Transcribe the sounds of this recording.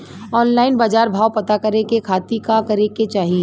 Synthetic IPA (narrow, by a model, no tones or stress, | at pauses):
ɔːnlaːɪnbaːd͡ʒaːɾbʱaːwpɐt̪akɐɾekekʰaːt̪ikakɐɾeket͡ʃaːɦie